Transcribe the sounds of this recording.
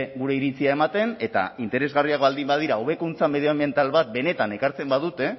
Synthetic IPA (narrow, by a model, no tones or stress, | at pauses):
ɡuɾe̞iɾit͡siae̞mat̪e̞ne̞t̪a̰int̪eɾe̞zɣariakβald̪imbaðiɾaoβe̞kunt͡sameð̞eame̞nt̪alβat̪̚be̞ne̞t̪ane̞kaɾt͡se̞mbað̞ut̪e̞